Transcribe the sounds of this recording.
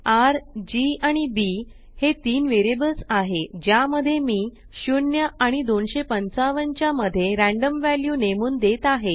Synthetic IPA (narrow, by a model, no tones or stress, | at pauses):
aɾd͡ʑiaɽ̃ibi | het̪iːnʋeɾebəlsaɦed͡ʑjaməd̪ʱːjemiː | ɕunjəʔãid̪onɕepənt͡saʋəɲt͡ɕjaməd̪ʱːjeɾæ̃ɳɖəmʋæljuːnemuːnd̪et̪aɦe